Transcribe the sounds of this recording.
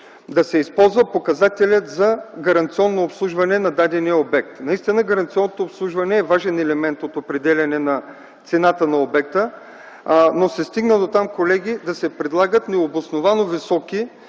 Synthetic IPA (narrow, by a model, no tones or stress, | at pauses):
d̪ɐsɛispɔlˠzvɐpokɐzat̪ɛlʲət̪zɐɡɐɾɐnt̪siɔnːoːpslˠuʒvɐnɛnɐd̪ad̪ɛniɛobɛk̚t̪nɐist̪inəɡɐɾɐnt̪siɔnːot̪oːpslˠuʒvɐnɛːvaʒɛnɛlɛmɛnt̪ot̪opɾɛd̪ɛlʲɐnɛnɐ | t̪sɛnat̪ənɐobɛk̚t̪ə | nosɛst̪iɡnəd̪ot̪amkolɛɡʲid̪ɐsɛpɾɛd̪lˠaɡət̪nɛobosnovanovisɔki